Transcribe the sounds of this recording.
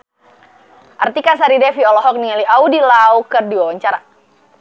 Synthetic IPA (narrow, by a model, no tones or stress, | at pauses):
ʔart̪ikas̬aɾidɛfiɔlɔɦɔk̚niŋaliʔaudilaukərdiwawaɲt͡ʃaɾa